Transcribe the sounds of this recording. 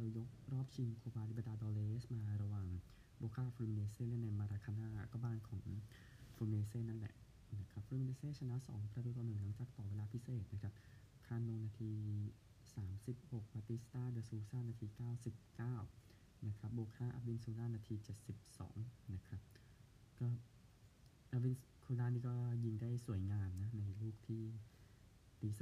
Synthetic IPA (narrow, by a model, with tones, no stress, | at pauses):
da˧wjo˦˥k̚ɾɔː˥˩p̚t͡ɕʰi˧mkʰoː˧baː˧t̪i˦˥ba˧˩daː˧dɔː˧leː˧ʔsmaː˧ɾa˧waː˨˩ŋ | boː˧kʰaː˥˩a˧pʰfɾuː˧mi˧neː˧seː˥˩nɛ˦˥˩na˧jmaː˧ɾaː˧kʰaː˧naː˥˩kɔː˥˩baː˥˩nkʰɔː˩˦ŋ | fʰɾu˧mi˧neː˧seː˥˩na˥˩nlɛ̰˨˩ʔ | na˦˥˩kʰa˦˥p̚fʰɾu˧mi˧ne˧seː˥˩t͡ɕʰa˧na˦˥sɔ̰ː˩˦ŋpʰɾaː˧i˧˩waː˧nɯ˨˩ŋla˨˩˦ŋt͡ɕaː˨˩k̚t̪ɔː˨˩wa˧˥laː˧pʰi˦˥seː˨˩t̪̚na˦˥kʰɾa˦˥p̚ | kʰaː˧˩nno˧ŋnaː˧t̪ʰiː˧ | saː˩˦msi˨˩p̚ho˨˩k̚paː˧t̪i˦˥st̪aː˥˩dɯː˧suː˧saː˥˩naː˧t̪ʰiː˧kaː˥˩wsi˨˩p̚kaː˥˩w | na˦˥kʰɾa˦˥p̚boː˧kʰaː˥˩ʔa̰˧wi˧˨nsuː˧laː˥˩naː˧t̪ʰiː˧t͡ɕe˨˩t̪̚si˨˩p̚sɔ̰ː˩˦ŋna˦˥kʰa˦˥p̚ | kɔː˥˩ | ʔa˧wi˧n | kʰu˧laː˥˩niː˧kɔː˥˩ji˧ŋdaː˥˩jsu˨˩˦əjŋaː˧mna˦˥na˧jluː˥˩k̚t̪ʰiː˥˩ | t̪iː˧˩sa˧